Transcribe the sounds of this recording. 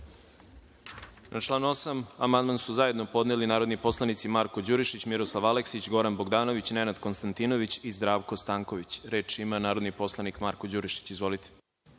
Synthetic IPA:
nʔat͡ʃlˠaːno̞samamand̪mansuzaje̞d̪no̞po̞d̪nelinaːɾod̪nipo̞slˠanit̪simaɾko̞d͡ʑuɾiʃit͡ɕmiɾoslˠaʋaleksit͡ɕɡo̞ɾanboɡd̪aːno̞ʋit͡ɕnenad̪konst̪ant̪inoʋit͡ɕizd̪ɾaːʋko̞st̪aːŋko̞ʋit͡ɕɾe̞ːt͡ʃimanaːɾo̞d̪nipo̞slˠanikmaɾko̞d͡ʑuɾiʃi̥t͡ɕizʋo̞lit̪e̥

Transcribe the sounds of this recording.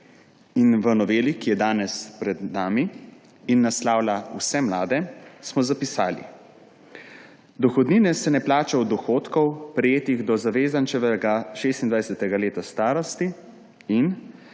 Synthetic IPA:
inʋənɔʋeːlikijɛd̪aːnɛspɾɛd̪naːmiː | nːaslaːwlausɛmlaːd̪ɛsmɔzapisaːlḭ | d̪ɔxɔd̪niːnɛsɛnɛplaːt͡ʃawd̪ɔxoːt̪kɔwpɾɛjeːt̪iɣd̪ɔzaʋeːzant͡ʃɛʋɛɡaʃeːst̪ind̪ʋajsɛt̪ɛɡaleːt̪ast̪aːɾɔst̪i | in

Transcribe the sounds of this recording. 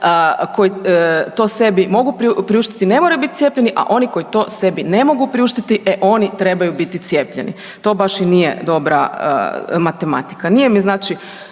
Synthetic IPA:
əko̞jit̪o̞ːse̞bimo̞ɡupɾiupɾiuʃt̪i̥t̪ine̞moɾajubit̪it̪jepʲʎe̞niʔa̰ʔo̞niko̞jit̪o̞ːse̞binemo̞ɡupɾiuʃt̪it̪iʔeʔo̞nit̪ɾe̞bajubit̪it̪sje̞ːpʎḛnḭ | t̪o̞ːbaʃinijḛd̪o̞bɾa̰ə̰mat̪e̞ma̰t̪i̥kanijemiznaːt͡ʃi

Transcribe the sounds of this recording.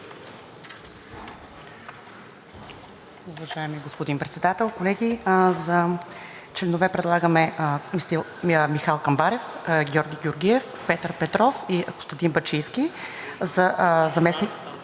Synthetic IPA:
uvɐʒaɛmiɡospod̪inpɾɛt̪sɛd̪at̪ɛlˠkolɛɡʲizɐ | t͡ʃlɛnʊvɛpɾɛd̪lˠaɡəmɛmist̪ilˠmixalˠkɐmbaɾɛfɡʲɔɾɡʲiɡʲʊɾɡʲiɛf | pɛt̪əɾpɛt̪ɾɔfiɐkʊ̥st̪ɐt̪inbɐt͡ʃijskʲizɐzɐmɛsni

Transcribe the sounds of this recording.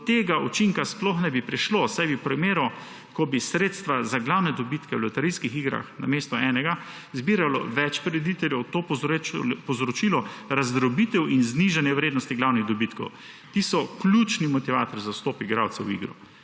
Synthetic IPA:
t̪eːɡaʔut͡ʃiŋkasplɔxnɛbipɾiʃlosajbipɾɔmeːɾɔ | kɔbisɾeːt̪st̪ʋazaɡlawnɛd̪ɔbit̪kɛwlɔt̪ɛɾiskixiɡɾa̰xna̰meːst̪ɔɛːnɛɡa | zbiːɾalɔ̰ʋɛt͡ʃpɔɾɛd̪it̪ɛljɛwt̪oː | pɔwzɾɔt͡ʃilɔɾazd̪ɾɔbiːt̪ɛwinzniʒanjɛwɾeːd̪nɔst̪iɡlawniɣd̪ɔbiːt̪kɔ̰w | t̪iːsɔkluːt͡ʃnimɔt̪iʋaːt̪ɔɾzawst̪oːpiɡɾawt̪sɛwḭɡɾṵ

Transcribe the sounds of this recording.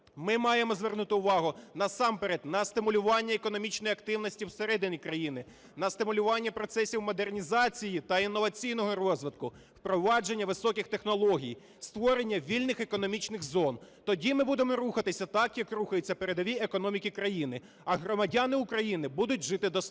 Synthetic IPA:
mɪmɑjemɔzʋernut̪ɪʊʋɑɦʊnɐsɑmpeɾed̪nɐst̪ɪmʊlʲʊʋɑnʲːɐekɔnɔmʲit͡ʃnɔjɐkt̪ɪwnɔsʲtʲiwseɾɛd̪ɪnʲijkɾɐjinɪ | nɐst̪ɪmʊlʲʊʋɑnʲːɐpɾɔt̪sɛsʲiwmɔd̪ernʲizɑt͡sʲijit̪ɐinːɔʋɐt͡sʲijnɔɦɔrɔzʋɪt̪̚kʊ | wpɾɔʋɑd͡ʒe̞nʲːɐʋɪsɔkʲɪxt̪e̞xnɔlˠɔɦʲij | st̪ʋɔɾe̞nʲːɐʋʲilʲnɪxekɔnɔmʲit͡ʃnɪɣzɔnt̪ɔdʲimɪbud̪emɔɾuxɐt̪ɪsʲɐt̪ɑkjɐkruxɐjɪt͡sʲːɐpeɾed̪ɔʋʲiekɔnɔmʲikʲikɾɐjinɪ | ɐɦɾɔmɐdʲanɪʊkɾɐjinɪbud̪ʊt̚ʲʒɪt̪ɪd̪ɔs

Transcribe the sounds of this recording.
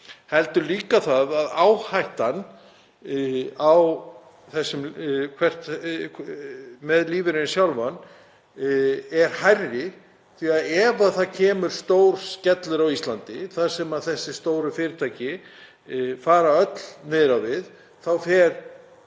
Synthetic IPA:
hɛlt̪ʏliːkaθaðaðaːwhajht̪an | aw | θɛsːʏmkʰvɛr̥t̪ | mɛðliːvɪɾɪnsjawlvan | ɛɾ̥hajrːɪ | θiaðɛvaðθaðcʰɛːmʏɾ̥st̪owɾ̥scɛt̪lʏɾawist̪lant̪ɪθaðsɛmaðθɛsːɪst̪oːwɾʏfɪːɾɪt̪ʰajcɪ | faːɾaœt̪l̥nɛːðɾavɪð | θawfɛɾ

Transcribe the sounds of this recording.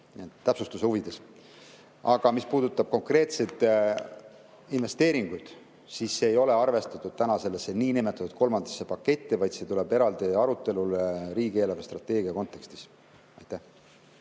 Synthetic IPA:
nit̪t̪ːæpsust̪useuvid̪̥e̞s | ɑɡ̥ɑmispuːd̪ut̪ːˑɑb̥̚ko̞ŋkre̞ːt̪se̞d̪ | inve̞st̪e̞ːɾiŋɡ̥ujd̪̥ | siːsːeːjo̞le̞ɑrve̞st̪ɑt̪ˑːud̪̥̚t̪ænɑse̞lːesːeniːnimet̪ːˑɑt̪ut̪̚ko̞lmɑnd̪̥ɑsːepɑkːe̞t̪ʲːivɑjd̪se̞t̪ule̞be̞ɾɑld̪iɑɾut̪ːˑe̞luleɾiːɡieːlɑvest̪rɑt̪ːˑe̞ːɡ̥iɑko̞nt̪ːˑe̞kst̪i̥s | ɑjt̪ːˑæh

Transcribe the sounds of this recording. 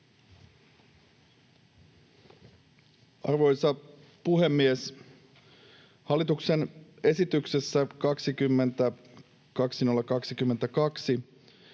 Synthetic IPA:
ʔɑrʋo̞jsɑ | puɦe̞mːies | hɑlːˑit̪ukse̞ne̞sit̪ykse̞sːækɑksikymːe̞nt̪æ | kɑksino̞lːɑkɑksikymːe̞nt̪ækɑksi

